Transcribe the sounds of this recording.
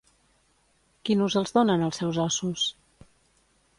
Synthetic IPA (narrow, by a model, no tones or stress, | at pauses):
kinuzəlˠzðonənəlˠsɛwzɔsus